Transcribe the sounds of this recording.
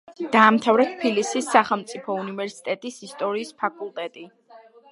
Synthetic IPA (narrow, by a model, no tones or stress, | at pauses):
d̪̥aːmt̪ʰavɾɛt̪ʰpʰilisisːaχɛlˠmt̪sʼipʰɔunivɛɾsi̥t̪ʼɛt̪ʼisist̪ʼɔɾiːspʰakʼulˠt̪ʼɛt̪ʼi